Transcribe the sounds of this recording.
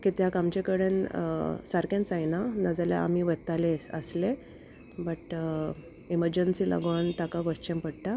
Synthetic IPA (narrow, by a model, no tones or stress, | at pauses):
kit̪jakamt͡ɕekəɽənsaɾkẽnt͡sajnanəd͡zalja̰a̰miʋət̪aleə̰sle | bəʈ | eməɾd͡ʑənsilʔa̰ɡʋaɳt̪akaʋəst͡ɕẽmpəɽʈa